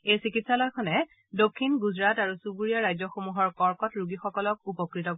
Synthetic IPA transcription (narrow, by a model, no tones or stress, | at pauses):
ejsikitsalɔjkʰɔnɛ | dokʰːinɡuzɹataɹusubuɹijaɹajzɔxomuɦɔɹkɔɹkɔtɹuɡixɔkɔlɔk̚upɔkɹitɔ